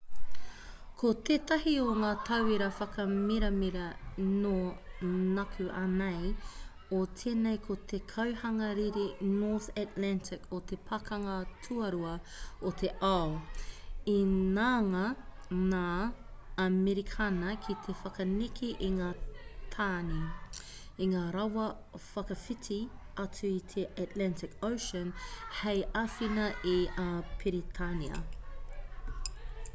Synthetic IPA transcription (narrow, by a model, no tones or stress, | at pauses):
kʰot̪ʰeːt̪ɐhioŋaːtʰɐwiɾɐfɐkɐmiɾɐmiɾɐno | nɐkʰʉʔɐnej | ot̪ʰeːnejkʰot̪ʰekʰɐwhɐŋɐɾiɾinoːθatlæntɪkʰot̪epʰɐkɐŋɐtʰuɐɾuɐot̪ʰeʔao | inaːŋanaːɐmeɾikʰanɐkʰit̪ʰefɐkɐnikʰiʔiŋaːtʰaːni | iŋaːɾɐwɐ | fɐkɐfitʰi | ɐt͡suit̪ʰeʔatlɛntɪkowʃənhejʔɐfinɐʔipʰiɾitʰaniɐ̰